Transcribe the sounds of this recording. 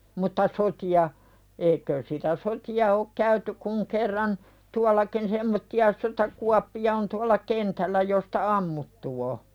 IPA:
mutːɑ sotiɑ eikøːs sitæ sotiɑ ok kæyty kuŋ kerːɑn tuɑlˑɑkin semːotːiɑ sotɑkuɑpːiɑ on tuɑlˑɑ kentælːæ jostɑ ɑmːutːu o

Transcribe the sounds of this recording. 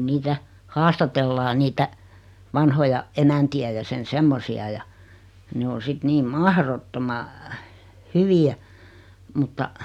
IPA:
niːtæ hɑːstɑtelːɑː niːtæ ʋɑnhojɑ emæntiæ jɑ sen semːosiɑ jɑ ne o sit niːm mɑhrotːomɑ hyʋiæ mutːɑ

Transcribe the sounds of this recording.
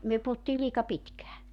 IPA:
myø puhutːiː liːkɑ pitkæː

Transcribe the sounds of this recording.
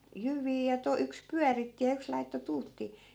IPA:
jyʋˑiː jɑ to yks pyæritːi jɑ yks lɑitːo tuːtːiː

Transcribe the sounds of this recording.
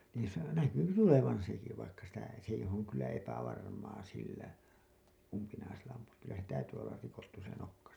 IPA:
niːn̞ sɑ næky se tuleʋɑn̞ seki ʋɑikːɑ sitæ s eih oŋ kylːæ epæʋɑrmɑː silːæ umpinɑiselːɑ ɑmpuɑk kylːæ se tæytyː olːɑr rikotːu se nokːɑ

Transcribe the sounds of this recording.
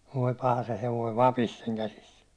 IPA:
ʋoi pɑhɑ se heʋoi ʋɑpis seŋ kæsis

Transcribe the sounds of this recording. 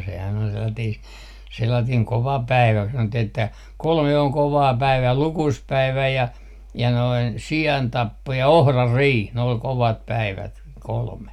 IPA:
sehæn ol selːɑtiːs selːɑtiːŋ koʋɑ pæiʋæ ku sɑnotːih etːæ kolme oŋ koʋɑː pæiʋæː lukuspæiʋæ jɑ jɑ noin siɑntɑpːo jɑ ohrɑrːiːh ne ol koʋɑt pæiʋæt kolme

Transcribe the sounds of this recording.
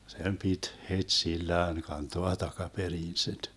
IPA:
sem pit hetsilːæːn kɑntoɑ tɑkɑperiːn sit

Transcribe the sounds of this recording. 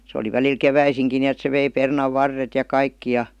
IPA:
se oli ʋæliːl keʋæisiŋki niet se ʋei pernɑʋːɑrːet jɑ kɑikːi jɑ

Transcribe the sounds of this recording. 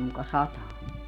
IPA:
mukɑ sɑtɑː

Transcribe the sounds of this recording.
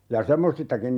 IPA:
jɑ semːosistɑkin

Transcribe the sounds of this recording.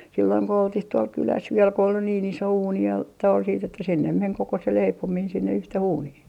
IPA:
silːoiŋ ko oltih tuol kylæs ʋiel ko ol niːn iso uːni jɑ toi siːt etːæ sinːem meŋ koko se leipomiːn sinːe yhteh uːnih

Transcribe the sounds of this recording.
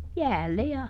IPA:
jæːlːe jɑ

